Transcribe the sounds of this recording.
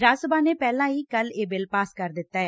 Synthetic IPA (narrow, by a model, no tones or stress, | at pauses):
ɾaːsəbãːneːpɛːlãːiːkəleːbɪlpaːskəɾd̪ɪt̪ːaːɛː